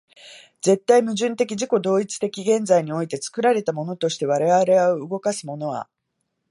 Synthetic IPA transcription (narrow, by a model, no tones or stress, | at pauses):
d͡ze̞t̪ːaimɯ̟ʑɨ̃nt̪e̞k̬ʲiʑiko̞d̪o̞ːit͡sɨ̥t̪e̞kʲiɡẽ̞nd͡zaiɲ̟io̞it̪e̞t͡sɨ̥kɯ̟ɾaɾe̞t̪amo̞no̞t̪o̞ɕi̥t̪e̞β̞aɾeaɾe̞aɯɯɡo̞kasɨmo̞no̞βa̰